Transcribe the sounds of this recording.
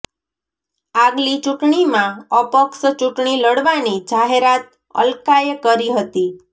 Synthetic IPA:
aɡlit͡ʃuʈɳimãəpəkʃət͡ʃuʈɳiləɽʋanid͡ʒaɦeɾat̪̚ | ə̰lkajəkəɾiɦət̪i

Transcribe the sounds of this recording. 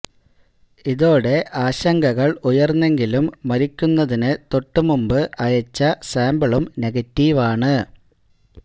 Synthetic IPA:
iðo̞ːɽe̞ʔaːɕɐŋɡɐɣɐɭujɐrnːe̞ŋɡilumːɐɾikʲːunːɐðinɨt̪o̞ʈːɨmumbɨʔɐjɐt͡ɕːɐsaːmbɐɭumne̞ɣɐtːiːʋaːɳɨ

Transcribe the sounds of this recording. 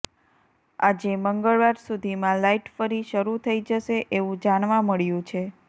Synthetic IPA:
ad͡ʒeməŋɡəɭʋaɾsud̪ʱimãlaiʈfəɾiʃəɾut̪ʰəid͡ʒəʃeʔeʋũd͡ʒanʋãməɭjũt͡ʃʰe

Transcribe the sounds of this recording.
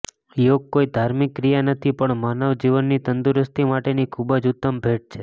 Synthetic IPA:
joɡ̚koid̪ʱaɾmikːɾijanət̪ʰipəɳmanəʋd͡ʒiʋənːit̪ənd̪uɾəst̪ʰimaʈenikʰubəd͡ʒʊt̪ːəmbʱeʈ̚t͡ʃʰe

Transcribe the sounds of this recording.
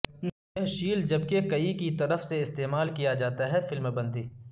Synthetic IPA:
n | ɦʃiːld͡ʒɐbkekɐikit̪ɐɾəfseɪst̪eːmaːlkijad͡ʒaːt̪aɦɛfɪlmbɐ̃nd̪iː

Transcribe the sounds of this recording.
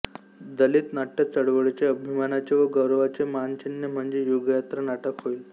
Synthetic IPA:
d̪əlit̪naʈːət͡səɽʋəɭt͡ɕeəbʱimanat͡ɕeʋəɡəɾʋat͡semant͡ɕinːəm̤əɳd͡zejuɡjat̪ɾənaʈəkɦoil

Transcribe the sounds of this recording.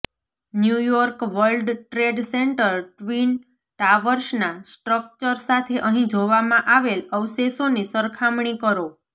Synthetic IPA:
njujɔɾkʋəlɖʈɾeɖseɳʈəɾʈʋin | ʈaʋəɾʃnasʈɾək̚t͡ʃəɾsat̪ʰeʔəɦĩd͡ʒoʋamãʔaʋeləʋsesonisəɾkʰamɳ̃ikəɾo

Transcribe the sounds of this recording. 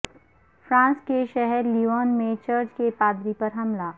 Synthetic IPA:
fɾãːnskeʃɛɦɛɾliaːnmẽt͡ʃɐɾd͡ʒkepaːd̪ɾipɐɾɦɐmlaː

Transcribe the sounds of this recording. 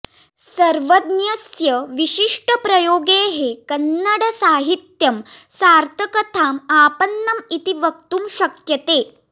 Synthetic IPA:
sɐɾʋɐd̪njɐsjɐʋiɕiʂʈəpɾɐjoːɡeːɦekɐnːɐɽɐsaːɦit̪jɐmsaːɾt̪ʰɐkɐt̪ʰaːmaːpɐnːɐmit̪iʋɐk̚t̪umʃɐkjɐt̪eː

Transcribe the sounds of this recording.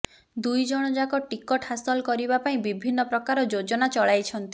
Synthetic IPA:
d̪ujd͡ʒɔɽ̃ɔd͡ʒakɔʈikɔʈhasɔlkɔɾibapaĩbibʱinːɔpɾɔkaɾɔd͡ʒod͡ʒɔnat͡ʃɔɭajt͡ʃʰɔnt̪i

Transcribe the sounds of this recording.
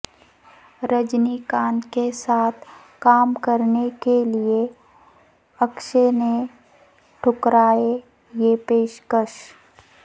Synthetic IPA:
ɾəd͡ʒnikãːnkesaːt̪ʰ | kaːmkəɾnekelie | ɐkʃene | ʈʰʊkɾaːe | jepeːʃkəʃ

